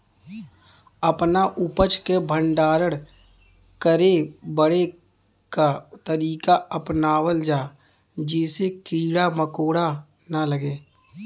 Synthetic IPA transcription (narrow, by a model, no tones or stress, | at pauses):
əpnaʔʊpət͡ʃkebʱə̃ɳɖaːɾəɽ | kəɾebəɽe | kat̪əɾiːkaəpnaːwəld͡ʒaː | d͡ʒɪːsekiːɽaməkoːɽa | naləɡeː